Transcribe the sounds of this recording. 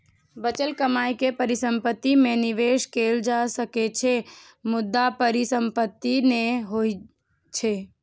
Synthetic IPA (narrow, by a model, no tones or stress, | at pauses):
bət͡ʃəlkəmaːikepəɾɪsə̃mpət̪ːimẽnɪʋeːʃkeːld͡ʒasəket͡ʃʰe | mʊd̪ːapəɾɪsə̃mpət̪ːineɦoi | t͡ʃʰe